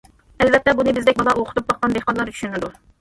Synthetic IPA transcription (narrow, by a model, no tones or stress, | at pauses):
ɛlvɛt̪ːɛbunɨbɪzd̪ɛk̚ʲbɑlˠɑoqʰt̪up̚bɑqqɑnd̪ehqɑnlˠɑɾt͡ʃʰy̥ʃynɪd̪u